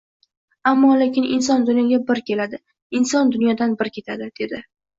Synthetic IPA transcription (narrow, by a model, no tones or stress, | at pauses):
amːɒlekʲɪnɪnsɒnd̪ʊnjɒɡʲabɪɾkʲe̞lad̪ɪ | ɪnsɒnd̪ʊnjɒd̪anbɪɾkʲʰe̞t̪ʰad̪ɪd̪̥e̞d̪ɪ